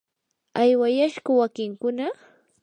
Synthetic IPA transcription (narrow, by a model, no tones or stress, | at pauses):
ajwajaʃɢʊwakɪŋkʊna